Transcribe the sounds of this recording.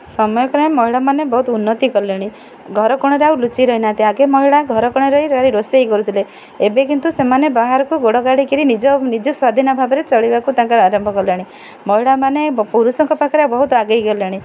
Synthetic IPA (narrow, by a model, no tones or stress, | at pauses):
sɔmɔjɔkɾamɔɦiɭamanebɔɦut̪ɔunːɔt̪ikɔlaɽ̃i | ɡʱɔɾɔkɔɽ̃ɔɾeaulut͡ʃiɾɔɦinat̪eaɡemɔɦiɭaɡʱɔɾɔkɔɽ̃ɔɾɔiɾaɾiɾosejkɔɾut̪ʰile | ebekint̪usemanebaɦaɾɔkuɡoɽɔɡaɽikiɾinid͡ʒɔnid͡ʒɔswad̪ʱinɔbʱabɔɾet͡ʃɔɭibakut̪ãŋkɔɾɔaɾɔmbʱɔkɔlaɽi | mɔɦiɭamanepuɾusɔŋkɔpakʰɔɾeawbɔɦut̪ɔaɡejɡɔlaɽ̃i